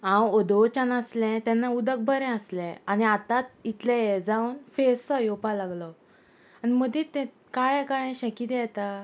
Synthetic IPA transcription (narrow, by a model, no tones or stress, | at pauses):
ãwɔd̪ɔt͡ɕanaslɛ̃t̪ɛ̃nːaud̪ək̚bʱəɾɛ̃əslɛ̃añiat̪at̪̚it̪lajed͡zaunfesːɔjɔpalaɡlɔ | animəd̪iːt̪ɛ̃ | kaɭɛ̃kaɭɛ̃ɕəkiːt̪jɛt̪a